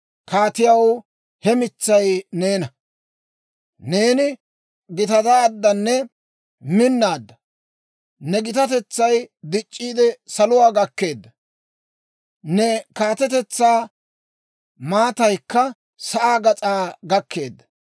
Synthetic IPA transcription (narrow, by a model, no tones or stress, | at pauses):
kaːt̪ɪjɐw | hɛmɪt͡sːɐjne̞ːnɐ | ne̞ːnɪ | ɡɪt̪ɐd̪aːd̪ːɐnːɛ | mɪnːaːd̪ːɐ | nɛɡɪt̪ɐt̪̬ɛt͡sːɐjd̪ɪt͡ʃʼːiːd̪ɛsɐlʊwaːɡɐkːe̞ːd̪ːɐ | nɛkaːt̪ɛt̪ɛt͡sːaː | maːt̪ɐjkːɐ | sɐʔaːɡɐt͡sʼaːɡɐkːe̞ːd̪ːɐ̥